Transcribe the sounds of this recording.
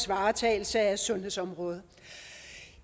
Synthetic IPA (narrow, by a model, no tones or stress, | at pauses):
sʋɑ̈ːt͡sʰɛ̰ːɪl̩səæsɔ̽nheðˠsɒ̽mʁɔ̽ːð̞ˠ